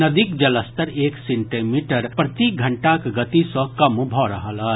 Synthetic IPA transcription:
nɐd̪ikd͡ʒɐləst̪əɾeːksẽɳʈimiːʈəɾpɾɐt̪iːk̚ɡʱɐ̃ɳʈakɡɐt̪isɔ̃kɐmbʱɔːɾɐɦalaː

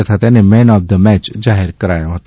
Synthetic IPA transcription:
et̪ʰat̪ɛnẽmɛ̃ːnɔːfd̪əmɛːt͡ʃzaːɦɪɾkəɾaːjãɦət̪

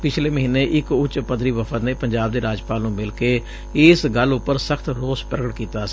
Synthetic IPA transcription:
pɪt͡ʃʰleːməɦiːnːeːʔɪkʊt͡ʃpəd̪ɾiːʋəpʰət̪neːpəɲd͡ʒaːb̚d̪eːɾaːd͡ʒpaːlnũːmɪlkeː | ɪsɡəlʊpːəɾsəkʰt̪ɾoːspɾəɡəʈkiːt̪aːs

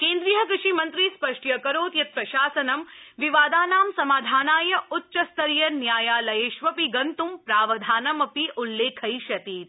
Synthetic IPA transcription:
kẽːnd̪ɾijɐkɾɪʂimɐnt̪ɾispɐʂʈjɐkɐɾoːt̪jɐt̪̚pɾɐʃaːsɐnɐmʋiʋaːd̪aːnaːmsɐmaːd̪ʱaːnaːjɐʔutːʃɐst̪ʰɐɾjɐnjaːjaːlɐjeːʃʋɐpiɡɐnt̪umpɾaːʋɐd̪ʱaːnɐmɐpiʔulːeːkʰɐjʃɐt̪iːt̪̚

